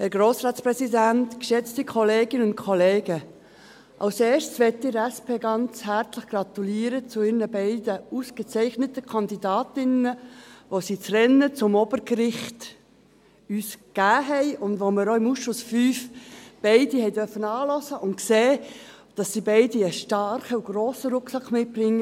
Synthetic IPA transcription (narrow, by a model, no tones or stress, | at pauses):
hɛɾɡɾoːsɾɑːtspɾɛsidæntkʃɛt͡stikʰɔleːɡɪnəʊntkʰɔleːɡ̥ə | ʔɑ̰ʊseːʃt͡ssʋɛt̪ːɪɾæspʰeːɡɑnt͡shæɾt͡sləχɡ̥rɑt̪uliːəɾət͡sʊɪrnəbɛɪdəusɡ̥ət͡sɛɪχnətəkʰɑndidɑːtɪnəʋosit͡srɛnːət͡sʊmɔb̥əɾɡɾɪχt | yːskæːɦɛɪʔʊndʋoməɾoɪmusʃʊsfyːfb̥ɛɪdihɛɪdœrfənɑːlɔsəʔʊntkseː | d̥ɑsːibɛɪdiəʃtɑɾχəuɡ̥ɾoːsəɾʊkχsɑkχmɪt̚b̥rɪŋːə